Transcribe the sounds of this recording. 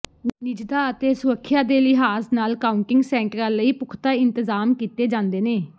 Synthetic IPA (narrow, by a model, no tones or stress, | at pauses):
nɪd͡ʒd̪aːət̪eːsʊɾəkʰːɪjãːd̪eːlɪɦaːsnaːlkaːʊɳʈɪŋɡsɛ̃ːɳʈɾãːləiːpʊkʰt̪aːɪnt̪əzaːmkiːt̪eːd͡ʒãːnd̪eːneː